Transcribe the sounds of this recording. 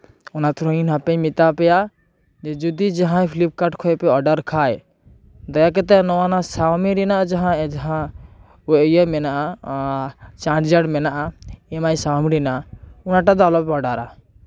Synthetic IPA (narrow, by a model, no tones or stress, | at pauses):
unat̪ɾɔinɦapɛ̃mit̪apɛja | d͡ʒɛd͡ʒud̪id͡ʒaɦãjpʰilip̚kaʈkʰɔjpɛɔɖəɾkʰaj | d̪ɔjak̬ɛt̪ɛnɔwanasawmiɾinaʔad͡ʒaɦãd͡ʒaɦã | uejəmɛnaʔa | t͡ʃãɖd͡ʒəɽmɛnaʔaɛmajsawmiɾinaʔaunaʈad̪alɔpɛɔɖaɾa̰